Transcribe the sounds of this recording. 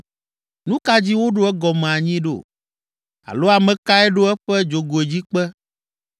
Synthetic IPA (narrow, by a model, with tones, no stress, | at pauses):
nũ˦ka˦d͡ʑi˦wo˦ɖo˦ɛ˦ɡɔ˨mẽ˨a˨ɲĩ˦ɖo̰˦˨ | a̰˨lo˦a˨mɛ̃˨ka˦ɛ˦ɖo˦ɛ˦ɸɛ˦d͡ʒo˨ɡo˨e˨d͡ʑi˦k͡pɛ˦